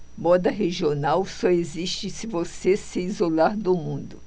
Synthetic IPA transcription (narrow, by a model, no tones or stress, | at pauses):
mɔd̪ɐɦeʒionawsɔeziʃt͡ʃɪsɪvosesɪizolaɾd̪ʊmũd̪ʊ